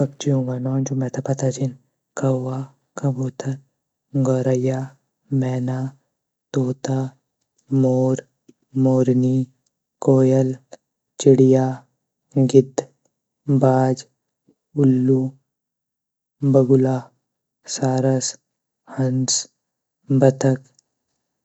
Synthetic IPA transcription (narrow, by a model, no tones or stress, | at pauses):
kɐb̚t͡ʃiõːŋɡanɔːnd͡ʒumɛt̪ʰapɐt̪at͡ʃin | kɐwa | kɐboːt̪ʰɐɾ | ɡɔːɾɐjaː | mɛːnaː | t̪oːt̪a | moːɾ | moːɾni | koːjəl | t͡ʃɪɽijaː | ɡɪd̪ | baːd͡ʒ | ʊlːu | bɐɡʊlaː | saːɾɐs | hɐns | bɐt̪ʰək